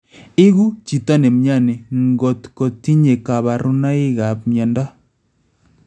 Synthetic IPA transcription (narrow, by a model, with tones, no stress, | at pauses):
e˦ɣu˦t͡ʃi˨ta˦ne˨mja˦˨ne˨ŋɡɔ˨tko˨ti˦ɲe˨ka˨βa˨ɾu˦na˦e˦ɣa˨pmja˨nda˦